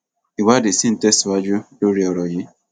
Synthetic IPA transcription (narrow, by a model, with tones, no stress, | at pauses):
i˨wa˦dɪ˨si˦n̩˨tɛ˦stwa˦d͡ʒʊ˦ | o˦ɾi˨ɔ˨ɾɔ˨jɪ˦